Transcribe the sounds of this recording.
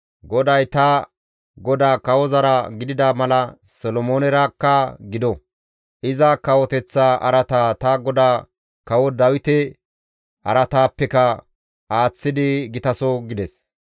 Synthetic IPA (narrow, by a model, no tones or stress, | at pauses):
ɡɔd̪ɐjt̪ɐ | ɡɔd̪aːkɐwɔzɐɾɐɡɪd̪ɪd̪ɐmɐlɐ | sɔlɔmoːnɛɾɐkːɐɡɪd̪ɔ | ʔɪzɐkɐwɔt̪ɛt͡sːaːʔɐ̰ɾɐt̪aːt̪ɐɡɔd̪aː | kɐwɔd̪ɐwɪt̪ɛ | ʔɐ̰ɾɐt̪aːpːɛkɐ | ʔaːt͡sːɪd̪ɪɡɪt̪ɐsɔɡɪd̪ɛs